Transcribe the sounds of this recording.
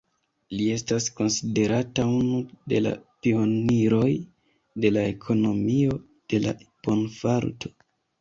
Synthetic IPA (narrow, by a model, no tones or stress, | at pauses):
lie̞stasko̞nside̞ɾataunude̞̰la̰pio̞niɾo̞j | de̞lae̞kʰo̞no̞mio̞ | d̥e̞la̰po̞nfaɾtʰo̞̥